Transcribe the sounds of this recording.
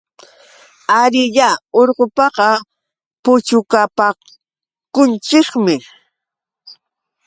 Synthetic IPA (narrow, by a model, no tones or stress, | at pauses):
aɾɪʎaoɾqopɑqɑ | pʊt͡ʃʊkapa | kʊnt͡ʃɪkmɪ